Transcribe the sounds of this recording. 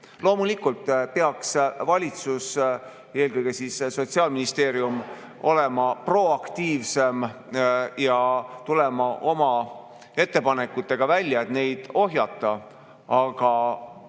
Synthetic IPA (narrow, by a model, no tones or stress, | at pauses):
lo̞ːmulikːult̪ːˑpeɑksvɑlʲit̪sus | e̞ːlkɤjɡ̥e̞siːsso̞t̪siɑːlminist̪e̞ːɾjum | o̞le̞mɑpro̞ɑkt̪iːvse̞m | jɑt̪ule̞mɑʔo̞mɑ | e̞t̪ːe̞pɑne̞kːut̪ːˑe̞ɡ̥ɑvælʲːjɑet̪ne̞jd̪̥o̞ɦjɑt̪ːˑɑ | ɑɡ̥ɑ